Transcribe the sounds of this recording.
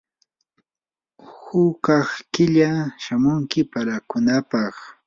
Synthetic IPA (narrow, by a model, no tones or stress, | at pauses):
hʊkɑχkɪʎaʃamʊŋkɪpaɾakʊnapɑχ